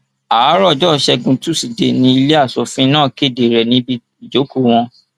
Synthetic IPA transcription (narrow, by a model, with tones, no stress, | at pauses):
aː˨˦ɾɔ˦˨d͡ʒɔ˦˨ʃɛ˧ɡũ˧tu˦si˨de˨nĩ˧i˧le˦a˦˨sɔ˨fĩ˦nãː˦˨ke˦˨de˨ɾɛ˨nĩ˨˦bi˧˨d͡ʒo˨˦ku˦˨w̃ɔ̃˧